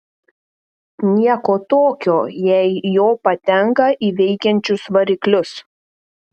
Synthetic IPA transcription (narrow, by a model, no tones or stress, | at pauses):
nʲiɛkoːt̪oːkʲoːjɛɪjoːpɐt̪ʲɛŋkɐʔiːʋʲɛɪkʲɛnʲt͡ʃʲʊsʋɐɾʲɪklʲʊs